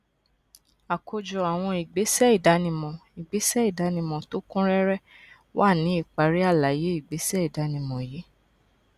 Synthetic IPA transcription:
a˨kʰo˧d͡ʒɔ˨˧a˨w̃ɔ̃˧i˨ɡ͡be˨˦sɛ˦i˦˨da˨˦nĩ˧mɔ̃˧i˨ɡ͡be˨˦sɛ˦i˦˨da˨˦nĩ˧mɔ̃˨to˨˦kũ˦ɾɛ˦ɾɛ˦ | wa˦˨nĩ˨˦i˦˨k͡pa˨ɾi˨˦a˦˨la˨je˨˦i˨ɡ͡be˨˦sɛ˦i˨da˨˦nĩ˧mɔ̃˨ji˨˦

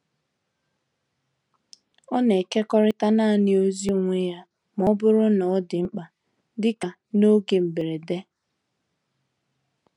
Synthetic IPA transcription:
ɔ˦ne˨ke˦kɔ˦ɾɪ˦ta˦na˦˨nɪ˦o˦zi˦u˨ŋʷe˦ja˦ | m˨ɔ˦bʊ˦ɾʊ˦nɔ˨ɔ˦dɪ˨ŋ͡m̩˦k͡pa˨ | dɪ˦ka˨ | no˦ɡe˨m̩˨be˨ɾe˨de˦

